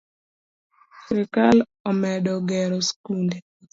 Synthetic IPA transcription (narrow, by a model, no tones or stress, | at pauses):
sɾikal | ɔmɛdɔɡɛɾɔskunde